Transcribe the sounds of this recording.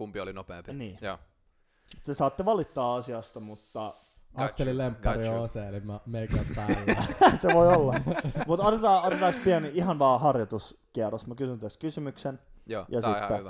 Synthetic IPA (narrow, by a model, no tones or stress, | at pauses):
kumpiolinopḛːniː | t̪ːesɑːt̪ːeʋɑlit̪ːɑːɑsiɑst̪ɑmut̪ːɑ | ɑkselilempːɑrioseelimæmeikæpælːæseʋoiolːɑmut̪ot̪et̪ɑːot̪et̪ɑːkspiænihɑnʋɑːhɑrjot̪uskiærosmækysynt̪æskysymyksenjɑsit̪ːe